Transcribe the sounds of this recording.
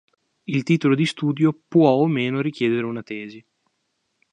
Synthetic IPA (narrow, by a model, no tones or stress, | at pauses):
ilt̪iːt̪olod̪ist̪uːd̪jopwɔomeːnoɾik̟jɛːd̪eɾeunat̪ɛːzi